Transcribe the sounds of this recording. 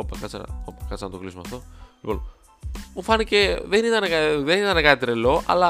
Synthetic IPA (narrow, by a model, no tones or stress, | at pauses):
opekɐt͡sɐ̰n̰opekɐt͡sɐnɐt̪oklizmoɐ̰fθo̞mipon | mufɐnice̞ðenit̪ɐnekɐðenit̪ɐnekɐt̪it̪ɾelo̞ɐ̰lɐ